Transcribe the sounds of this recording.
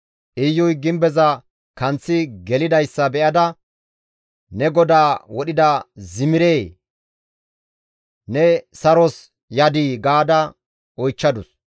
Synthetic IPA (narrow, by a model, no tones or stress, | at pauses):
ʔɪjːɔjɡɪmbɛzɐ | kɐnt͡sːɪɡɛlɪd̪ɐjsːɐbɛʔɐd̪ɐ | nɛɡɔd̪aːwɔɗɪd̪ɐzɪmɪɾeː | nɛsɐɾɔs | jɐd̪iːɡaːd̪ɐ | ɔjt͡ʃːɐd̪ʊs